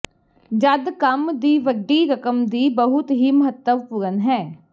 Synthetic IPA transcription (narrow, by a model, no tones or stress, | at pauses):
d͡ʒəd̪kəmd̪iːʋəɖːiːɾəkəmd̪iːbəɦʊt̪ɦiːməɦət̪ːəʋpʊɾənɦɛː